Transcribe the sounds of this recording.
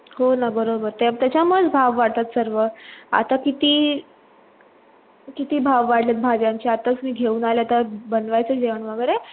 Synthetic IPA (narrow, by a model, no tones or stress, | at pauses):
ɦonabəɾobəɾt̪at̪jat͡ɕaməɭed͡zbʱaʋʋaɽ̚t̪at̪səɾʋəa̰t̪akit̪iː | kit̪iːbʱaʋːaɽlet̪̚bʱad͡ʑjãɲt͡ɕiat̪əsmiːɡʱeuːnaleat̪abənʋajt͡səd͡ʑeʋəɳʋəɡəɾe